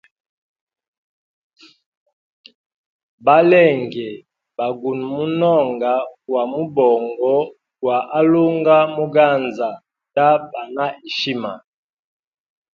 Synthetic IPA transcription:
ba˦lɛ˦˨ŋɡɛ˨ | ba˨ɡu˨nmu˦nɔ˦˨ŋɡa˨˦wa˨mu˦bɔ˨ŋɡɔ˦ | wa˨ʔa˦lu˦ŋɡa˦mu˦ɡa˦˨nza˨ | ta˦ba˨na˦ʔi˨ʃi˦ma̰˨

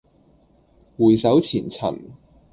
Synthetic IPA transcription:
wuː˨˩jsɐ˨˥wt͡sʰiː˨˩nt͡sʰɐ̰˨˩n

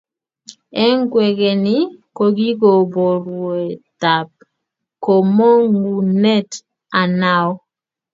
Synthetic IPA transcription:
ɛ˦ŋɡwɛ˨ɡe˨nɪ˦ko˨ɡi˦ɡo˨bo˨ɾwe˨t̪a˨p̚ | ko˨mo˦ŋɡu˨nɛ˦t | a˨na˦ɔ˦

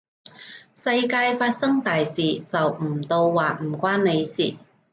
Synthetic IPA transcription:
sɐ˧jkaː˧jfaː˧t̚sɐ˥ŋt̪aː˨jsiː˨˩t͡sɐ˨wm̩˨˩t̪o˧wːaː˨˩k̚m̩˨˩kʷaː˥nne˨˧jsḭː˨˩

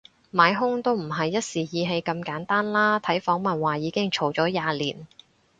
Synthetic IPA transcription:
maː˨˧jɦʊ˥ŋt̪o˥wm̩˨˩ɦɐ˨jːɐ˥t̚siː˨˩jiː˨˧ɦe˧jkɐ˧mkaː˨˥nt̪aː˥nlaː˥t̪ʰɐ˨˥jfɔː˨˥ŋmɐ˨nwaː˨˩jiː˨˧kɪ˥ŋt͡ʃʰo˨˩wt͡ʃɔː˨˥jaː˨˧liː˨˩n

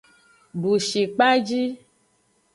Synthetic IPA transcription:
ɖu˨ʃi˨k͡pa˦d͡ʒi˦

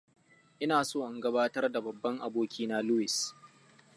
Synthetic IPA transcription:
ʔɪ˦naː˨soː˦˨ʔɪ˨ŋɡɐ˦baː˦tɐ˦rda˨bɐ˨bːɐ˦ŋʔa˨boː˦kʲiː˦na˦lu˦wɪ˨s

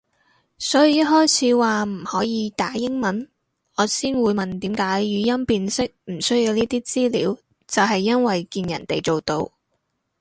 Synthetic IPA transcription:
sɔː˨˥ji˨jɐ˥t̚ɦɔː˥jt͡sʰiː˨˥waː˨m̩˨˩hɔː˨˥jiː˨˧t̪aː˨˥jɪ˥ŋmɐ˨˥n | ɔː˨˧siː˥nwuː˨˧jmɐ˨nt̪iː˨˥mkaː˨˥jɥyː˨˧jɐ˥mpiː˧nsɪ˥k̚m̩˨˩sɵ˥ɥji˨˧wniː˥t̪iː˥t͡siː˥lḭː˨˥w | t͡sɐ˨wɦɐ˨jːɐ˥nwɐ˨jkiː˧njɐ̰˨˩nt̪e˨jt͡so˨wt̪o˧w

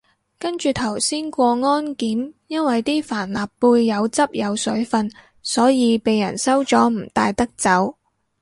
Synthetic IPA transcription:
kɐ˥nt͡ʃyː˨t̪ʰɐ˨˩wsiː˥nkʷɔː˧ŋɔː˥nkiː˨˥mjɐ˥nwɐ˨jt̪iː˥faː˨˩nlaː˨˩pːuː˧jːɐ˨˧wt͡sɐ˥p̚jɐ˨˧wsɵ˨˥ɥfɐ˧n | sɔː˨˥jiː˨˧pe˨jɐ̰˨˩nsɐ˥wt͡sɔː˨˥m̩˨˩t̪aː˧jt̪ɐ˥k̚t͡sɐ˨˥w

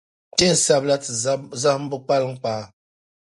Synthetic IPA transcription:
te˦˨n̩˨sa˦bla˦tɨ˨˦za˦m̩˦bɨ˦k͡pa˦lŋ̩˦k͡paː˨

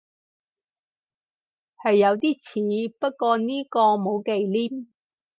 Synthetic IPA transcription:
hɐ˨jːɐ˨˧wt̪iː˥t͡sʰiː˨˧˦pɐ˥t̚kɔː˧niː˥kɔː˧mo˨˧wke˨˧jliː˥m

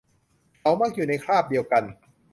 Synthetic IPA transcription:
kʰa˨˦˥wmaː˥˩k̚juː˨˩na˧jkʰɾaː˥˩p̚di˧əwka˧n

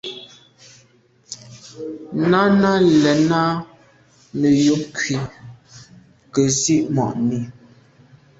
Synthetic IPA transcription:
na˦na˦lɛ˨na˦ | mə˨jo˨˦p̚kɥi˨ | kə˨zi˦ʔmɔ̰˨ʔmi˨

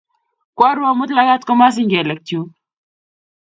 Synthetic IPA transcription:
kwɔ˦ɾwa˦mʊ˦tla˦ɡa˦tkɔ˦ma˦s̬ɪ˦ŋɡɛ˨lɛ˨k̚tjo˨˦

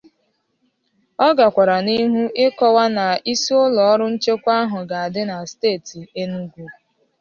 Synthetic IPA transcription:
ɔ˦ɡa˨kʷa˨ɾa˨ni˦ɦu˦ʔɪ˦kɔ˦wa˦na˨i˦si˦ʊ˦lɔ˨ɔ˦ɾʊ˦n̩˦t͡ʃe˦kʷa˦ɦʊ˨ɡa˨a˨dɪ˦na˨steː˦˨ti˨e˦nu˦ɡʷu˦

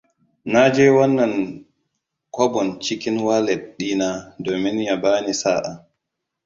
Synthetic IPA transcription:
na˦d͡ʒɛː˦wɔ˦nːɐ˨n | kʷɔ˦bɔ˨nt͡ʃi˦kʲɪ˦nwa˦lɛ˨tɗiː˦na˦doː˨mɪ˦nja˨baː˦ni˨saː˦ʔa˨

